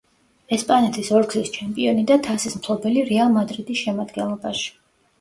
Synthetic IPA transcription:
ɛspʼanɛt̪ʰisɔɾɡlist͡ʃʰɛmpʼiɔnid̪at̪ʰasismt̪ʰlˠɔbɛliɾɛalˠmad̪ɾid̪isʃɛmad̪ɡɛnlˠɔbaʃi̥

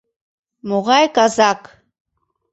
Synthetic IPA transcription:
moʁɑjkazak

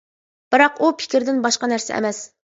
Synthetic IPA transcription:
b̥ɨɾɑqupʰɪ̥kʲiɾd̪ɪnbɑʃqɑnæɾsɛ̰ɛ̰mɛs

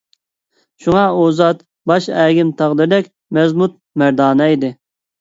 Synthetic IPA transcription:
ʃuŋɑozɑt̪ | bɑʃɛɡʲɪmt̪ʰɑʁd̪ɨɾd̪ɛkʲ | mɛzmut̪̚ | mæɾd̪ɑːnɛid̪ɪ

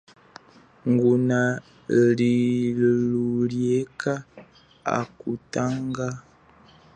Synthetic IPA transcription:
ŋɡuna | liluljeka | a̰kutaŋɡa

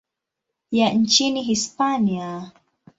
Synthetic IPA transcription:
jan̩t͡ʃiniɦispania

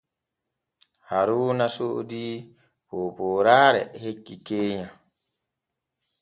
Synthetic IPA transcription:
haɾuːnasodi | poːpoːɾaːɾɛ̰hekːikeːɲa

